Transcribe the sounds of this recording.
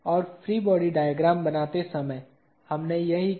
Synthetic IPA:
ɔːɾfʰɾiːbɔːɖiɖaːjəɡɾaːmbɐnaːt̪esɐməj | hɐmnejɐɦi

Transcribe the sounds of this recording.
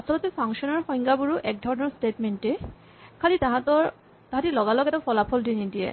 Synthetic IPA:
asɔlɔtɛpʰaŋʃɔnɔɹxɔ̃j̃ŋɡabuɹuʔɛk̚dʱɔɹnɔɹstetmente | kʰalitaɦatɔɹ | taɦatilɔɡalɔkɛtapʰɔlapʰɔldinidiɛ̰

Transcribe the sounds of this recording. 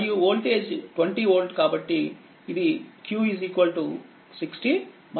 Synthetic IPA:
juoːlʈeːd͡ʒʈʋɐɳʈioːlʈkaːbɐʈːiː | d̪ikjuːiziːkʋɐlʈu | siksʈi | m

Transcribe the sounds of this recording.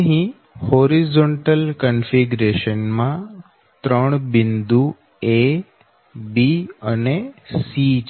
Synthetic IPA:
ɦĩ | hoːɾizoɳʈəlkənfiɡɾeʃənmã | t̪ɾəɳ̃bɪnd̪u | e | biənesi

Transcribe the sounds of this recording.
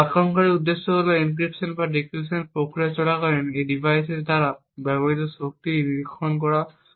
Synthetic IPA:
axɔŋkaɹiudːesːɔbolɔink̬ɹipsɔnbadikisɔnpɹokɹiasɔlakaɹɛnejdibajsɛtdaɹa | babɔɹitɔsok̚tiniɹikʰːɔnk̬ɔɹa

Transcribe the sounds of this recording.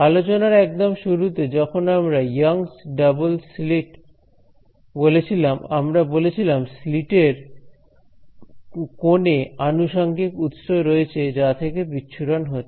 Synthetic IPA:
alot͡ɕonaɾɛk̚d̪omʃuɾut̪ed͡ʑɔkʰonamɾajaŋsɖabolsliʈ | bolet͡ɕʰilamamɾabolet͡ɕʰilamsliʈeɾ | koneanuʃaŋɡikut̪ʃoɾoet͡ɕʰed͡ʑat̪ʰekebitːɕʰuɾanɦo

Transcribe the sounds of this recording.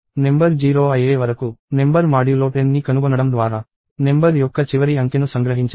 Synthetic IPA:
ne̞mbɐɾd͡ʒiːɾoːɐjeːʋɐɾɐkune̞mbɐɾmaːɽiloːʈenːikɐnuɡɔnːɐɽɐmd̪ʋaːɾaː | ne̞mbɐɾjɔkːɐt͡ʃiʋɐɾiɐŋkenusɐŋɡɾɐɦiɲt͡ʃː

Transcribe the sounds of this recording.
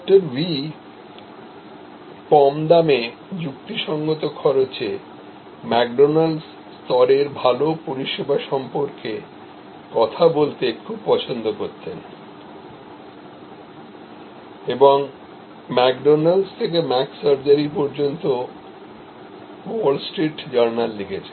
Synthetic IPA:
k̚ʈaɾbi | kɔmd̪ame | d͡ʑukt̪iʃɔŋɡot̪okʰɔɾot͡ɕe | mɛk̚ɖonals | st̪ɔɾeɾbʱalopoɾiʃebaʃɔmpoɾke | kɔt̪ʰabolt̪ekʰub̚pɔt͡ɕʰond̪okoɾt̪ʰen | eboŋ | mɛkɖonalst̪ʰek̬emɛksaɾd͡ʑaɾipɔɾd͡ʑont̪o | wolsʈɾiʈd͡ʑɔɾnalːiɡet͡ɕʰe̥

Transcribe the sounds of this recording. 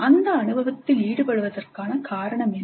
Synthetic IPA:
ʔɐnd̪ɐːnɯbɐʋɐt̪ːɪliːɽɯpɐɻɯʋɐðɐrkaːnɐkaːɾɐɳɐmɛn

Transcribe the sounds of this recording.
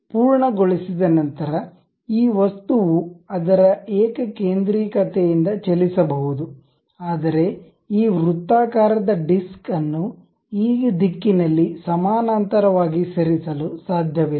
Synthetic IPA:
puːɾɳɐɡoɭisid̪ɐnɐnt̪ɐɾɐ | iːʋɐst̪uʋuɐd̪ɐɾɐeːkɐkeːnd̪ɾiːkɐt̪ejind̪ɐt͡ʃelisɐbɐɦud̪u | aːd̪ɐɾe̞ | iːʋɾut̪ːaːkaːɾɐd̪ɐɖiskɐnːu | iːd̪ikːinɐlːisɐmaːnaːnt̪ɐɾɐʋaːɡisɐɾisɐlusaːd̪ʱjɐʋe

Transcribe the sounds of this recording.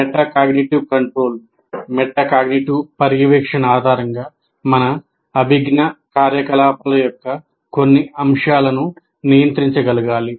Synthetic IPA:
mɛʈːaːkaːɡniʈiʋkɐɳʈɾo̞ːl | mɛʈːaːkaːɡniʈiʋpɐɾjiʋɛːkʂɐnaːd̪ʱaːɾɐŋɡaː | mɐnɐː | bʱiɡnɐkaːɾjɐkɐlaːpʰɐlɐjɔkːɐ | ko̞nːiɐmʂaːlɐnu | nijɐnt̪ɾiɲt͡ʃɐɡɐluɡaːli

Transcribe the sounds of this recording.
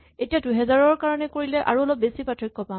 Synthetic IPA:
etijaduɦɛzaɹɔɹkaɹɔnɛkoɹilɛʔa̰ɹuɔlɔp̚besipatʰɹikːɔpã

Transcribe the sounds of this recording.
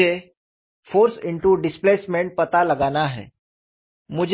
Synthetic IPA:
e | foːɾsiɳʈuɖɪsplesmeɳʈ̚pət̪aləɡanaɦɛ̰ | mʊd͡ʑʱ

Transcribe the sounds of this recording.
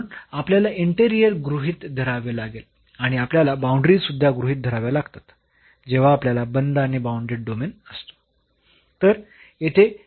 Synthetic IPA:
napljalaʔiɳʈeɾijəɾɡɾuɦiːt̪d̪ʱəɾaʋelaɡel | aɽ̃iapljalabaũɳɖɾisud̪ʱːjaɡɾuɦit̪̚d̪ʱəɾaʋjalaɡt̪at̪ | d͡ʑeʋ̤aːpljalabənd̪aɽ̃ibaũɳɖɾeɖomenəst̪o̥ | t̪əɾ | jet̪ʰe

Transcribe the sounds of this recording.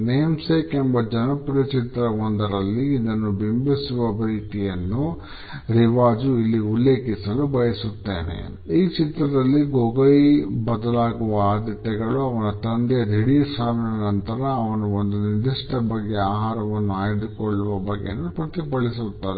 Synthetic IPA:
nemsekembɐd͡ʒɐnɐpuɾɐt͡ʃit̪ɾɐʋɔnd̪ɐɾɐlːiːd̪ɐnːubimbisuʋɐpɾiiːt̪ijɐnːu | ɾiʋaːd͡ʒuilːiulːe̞ːkisɐlubɐjɐsut̪ːḛːnḛ | iːt͡ʃit̪ɾɐd̪ɐlːiɡoːɡɐjbɐd̪ɐlaːɡuʋɐaːd̪it̪ːɛɡɐɭuɐʋɐnɐt̪ɐnd̪jɐd̪ʱiɽijɐsaːʋinɐnɐnt̪ɐɾɐːʋɐnuond̪unid̪iʂʈɐbɐɡːe̞aːɦaːɾɐʋɐnːuaːjd̪ukɔɭːuʋɐbɐɡːḛnːupɾɐt̪ipɐɭis̬ut̪ːaːɾe

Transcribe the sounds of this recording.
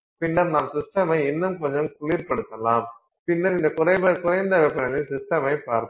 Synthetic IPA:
pɪnːɐɾnaːmsɪsʈɐmɐɪɛnːɐmkɔɲd͡ʒɐmkʊɭiːɾpɐɽɯt̪ːɐlaːm | pɪnːɐɾɪnd̪ɐkʊɾɐɪbɐkʊɾɐɪnd̪ɐʋɛpːɐnɐnɪsɪsʈɐmɐɪpaːɾt̪

